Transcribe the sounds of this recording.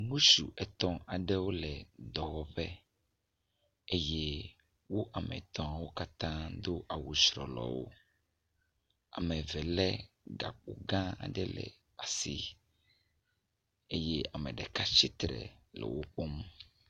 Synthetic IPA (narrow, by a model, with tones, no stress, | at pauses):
mũ˦su˨ʔɛ˨t̪ɔ̃˦a˨ɖɛ˦wo˦lɛ˨d̪ɔ˨wɔ˨ɸɛ˦ | e˦je˦ | wo˦ʔa˨mɛ̰˨t̪ɔ̃˨a˨wo˦ka˦t̪ã˦d̪o˦ʔa˨wu˨sɾɔ̰˨lɔ̰˨wo̰˦ | a˨mɛ̃˨vɛ˨lɛ˦ | ɡa̰˨k͡po˨ɡã˦a̰˨ɖɛ˦lɛ̰˨ | a˨si˦ | e˦jɛ˦a˨mɛ̃˨ɖɛ˨ka˦t͡ʃi˦t̪ɾɛ̰˨lɛ̰˨wo˦ɸo˦m˦